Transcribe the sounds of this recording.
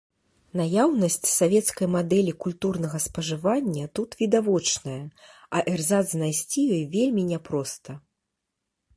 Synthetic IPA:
najawnɐsʲt͡sʲsavʲɛt̪skɐjmad̪ɛlʲikulʲt̪urnɐɣɐspɐʐɨvanʲːɐt̪ut̪vʲid̪avɔt͡ʂnɐjɐ | ɐʔɛrzad̪znajsʲt͡sʲijɔjvʲelʲmʲinʲɛpɾɔst̪ɐ

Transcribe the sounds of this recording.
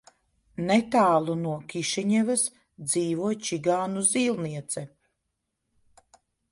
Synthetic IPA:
nɛt̪aːlˠunuɔkʲiʃɛɲɛvɐs | d̪ziːvuɔjt͡ʃiɡaːnuziːlˠniɛt̪sɛ

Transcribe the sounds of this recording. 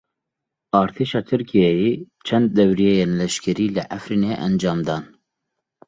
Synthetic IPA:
ɑːɾt̪ʰeːʃɑːt̪ʰɨɾkʰijɛjeːt͡ʃʰɛnd̪̚ːɛwɾijejeːnlɛʃkʰɛɾiːlɨʔæfɾiːneːʔɛnd͡ʒɑːmd̪ɑːn

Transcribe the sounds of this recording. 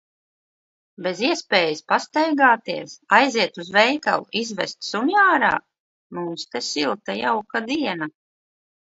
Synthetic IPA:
beziɛspeːjispast̪ɛjɡaːt̪iɛsajziɛt̪uzvɛjka̰lˠuizvɛ̰st̪sunijaːɾa̰ː | mumst̪ɛsilˠt̪ajawkad̪iɛna

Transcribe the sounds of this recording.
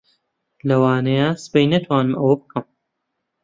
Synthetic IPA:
lɐwaːnɐjaːsɨ̥pejnɐt̪ʰwaːnɨmɐwɐbɨkʰɐm

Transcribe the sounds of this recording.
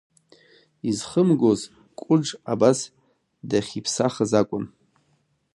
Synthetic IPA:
izχəmɡoz | kʷʼʊʈ͡ʂabas | daχʲipʰsaχəzakʷʼʊn

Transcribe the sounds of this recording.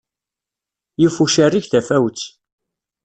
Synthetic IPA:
jufuʃærːiçθæfæwt͡sː

